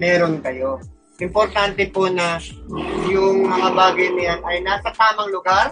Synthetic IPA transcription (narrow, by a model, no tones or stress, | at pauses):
mɛːɾonkɐjo̞ | ʔɪmpoɾt̪ant̪ɛponɐ | jʊŋmɐŋɐbaːɡɐjnɐjanɐjnaːsɐt̪aːmɐŋlʊɡaɾ